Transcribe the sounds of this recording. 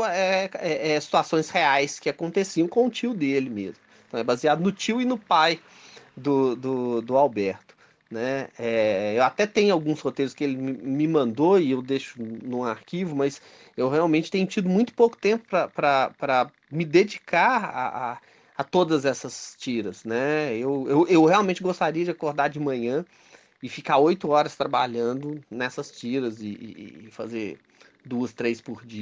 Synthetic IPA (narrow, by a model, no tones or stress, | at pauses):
ɛɛʔɛsi̥t̪uasõj̃sheajskɪakõnt̪esiɐ̃w̃kõʊt͡ʃiwd̪elɪmḛzmʊẽt̪ɐ̃w̃ɛbaziad̪ʊnʊt͡ʃiwɪnʊpaj | d̪ʊd̪ʊd̪ʊawbɛɾt̪ʊ̥ | nɛɛewat̪ɛt̪ẽɲʊawɡũshot̪ejɾʊskɪelɪmɪmɪmɐ̃nd̪oɪewd̪eʃʊ̥nũaɾkivʊmɐs | ewheawmẽnt͡ʃɪ̥t̪ẽɲʊt͡ʃid̪ʊmũj̃t̪ʊ̥powkʊ̥t̪ẽmpʊ̥pɾɐpɾɐpɾɐ | mɪd̪ed͡ʒikaɾa̰a | ɐt̪od̪ɐzɛsɐst͡ʃiɾɐznɛewewʔewheawmẽnt͡ʃɪɡost̪aɾiɐd͡ʒɪakoɾd̪aɾd͡ʒɪmɐ̃ɲɐ̃ | ɪfikaɾojt̪ʊɔɾɐst̪ɾaba̰ʎɐ̃nd̪ʊnɛsɐst͡ʃiɾɐzɪ̰ːfazeɾ | d̪uɐst̪ɾejspʊɾd͡ʒiɐ